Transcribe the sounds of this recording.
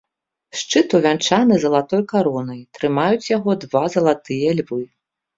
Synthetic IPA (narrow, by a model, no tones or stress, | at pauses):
ʂt͡ʂɨt̪uvʲant͡ʂanɨzɐlˠat̪ɔjkaɾɔnɐjt̪ɾɨmajut͡sʲjaɣɔd̪vazɐlˠat̪ɨjɛlʲvɨ